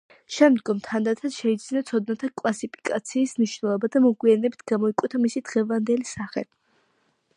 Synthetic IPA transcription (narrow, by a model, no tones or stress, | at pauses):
ʃɛmd̪ɡɔmt̪ʰand̪at̪ʰad̪ʃɛid̪zinat̪sʰɔd̪̚nat̪ʰakʼlasipʰi̥kʼat̪sʰiːsmniʃwnɛlˠɔbad̪amɔɡwianɛbit̪ʰɡ̥amɔikʼwɛt̪ʰamisid̪̥ʁɛvand̪ɛlisaχɛ̰li